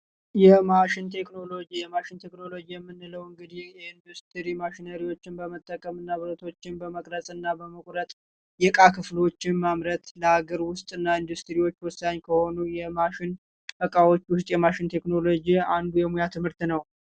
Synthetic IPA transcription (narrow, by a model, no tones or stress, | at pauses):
jɛmaʃɪnt̪ʰe̞kno̞lo̞d͡ʒijɛmaʃɪnt̪ʰe̞kno̞lo̞d͡ʒijɛmːɨnːɨləwɨŋɡɨd̪ihjɛind̪ust̪ʰɾimaʃɪnəɾiwo̞t͡ʃːɪnbəmət̪ʼːəkʼəmɨnːaβɨɾət̪ʰo̞t͡ʃːɪnbəməkʼɾəsʼɨnːabəməkʷʼɾət̪ʼ | jɛkʼakʰɨflo̞t͡ʃːɪnmamɾət̪ləaɡəɾwʊst̪ʼɨnːaind̪ust̪ɾiwo̞t͡ʃːwɔsːaɲːkʰəho̞nujɛmaʃɪn | bəkʼawo̞t͡ʃːwʊst̪ʼjɛmaʃɪnt̪ʰe̞kno̞lod͡ʒiand̪ujɛmujat̪ʰɨmhɨɾt̪nəw